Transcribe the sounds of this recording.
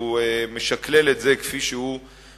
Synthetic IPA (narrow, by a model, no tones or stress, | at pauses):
uemeʃakleletzekfiʃehu